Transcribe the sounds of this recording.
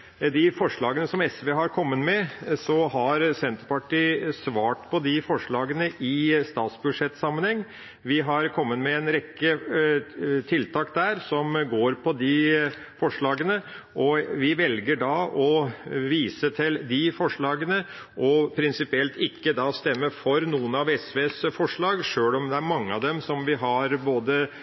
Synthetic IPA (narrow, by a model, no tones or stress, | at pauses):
d̪ɪfɔʂɭɑːɡənəsɔmɛsʋeːɦɑɾkʰɔmːət̪mɛsɔɦɑɾsɛnt̪əɾpɑʈiːsʋɑːʈpʰɔd̪ɪfɔʂɭɑːɡənəʔɪst̪ɑːt̪sbʉd̪ʂɛt̪ːsɑmːənhɛŋː | ʋɪɦɑɾkʰɔmːət̪mɛɛnɾɛkːə | t̪ʰɪlt̪ʰɑːkd̪æːɾsɔmɡoːɾpʰɔd̪ɪ | fɔʂɭɑːɡənə | ʔɔʋɪʋɛlɡəɖɑːʔɔʋiːsət̪ʰɪld̪ɪfɔʂɭɑːɡənə | ʔɔpʰɾɪnsɪpɪɛlt̪ɪkːəd̪ɑːst̪ɛmːəfɔɾnuːənɑʋɛsʋeːsfɔʂɭɑːɡʂøːlɔmd̪ɛæɾmɑŋːəɑʋd̪ɛmsɔmʋɪɦɑɾboːd̪ə